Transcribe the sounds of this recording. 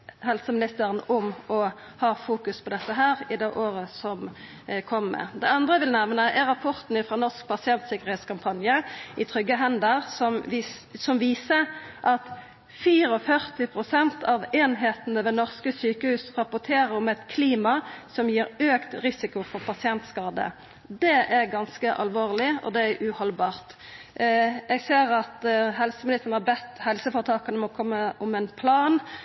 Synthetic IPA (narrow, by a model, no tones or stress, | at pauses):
hɛlsəmɪnɪst̪əʁənʊmɔ | hɑːfuːkʉspʰɔd̪ɛt̪ːəɦæːʁɪd̪ɛʔoːɾəsɔm | kʰɔmːə̰d̪ɛɑnd̪ʁəʋɪlnæʋnəʔɛɾɑpʰɔʁt̪n̩ɪfʁoːnɔʁsk̚pɑsɪɛnt̪sɪkːəʁheːt̪skɑmpʰɑnjəʔɪt̪ʰʁʏɡːəɦɛnd̪əʁsɔmsɔmʋiːsəʔɑt̪ | fiːɾɔfœʁt̪ɪpʰɾʊsɛnt̪ʰɑʋeːnɦeːt̪ənəʋɛnɔʁskəsyːkəhʉːsʁɑpʊʈ̪ʰeːɾəɾɔmɛt̪kʰliːmɑsɔmjiːɾøːkt̪ɾɪsɪkʊfɔʁpʰɑsɪɛnt̪skɑːd̪ə̰ | d̪ɛʔæɾɡɑnskəʔɑ̰lʋoːʁlɪɔ̰d̪ɛæʔʉhɔlbɑːʁt̪ | ɛɡseːɾɑt̪ɦɛlsəmɪlɪst̪ənəhɑbɛt̪ːhɛlsəfoːɾət̪ʰɑːkənəmɔkʰɔmːəʔʊmɛnpʰlɑːn